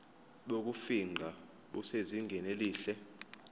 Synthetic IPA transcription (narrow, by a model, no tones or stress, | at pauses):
ɓok̬ʼufiŋ͡ǃʱa | ɓuseziŋɡʱɛneliːɬɛ